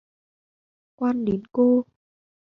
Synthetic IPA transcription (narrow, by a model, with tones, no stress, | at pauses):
kwaː˧nɗe˨˦nko˧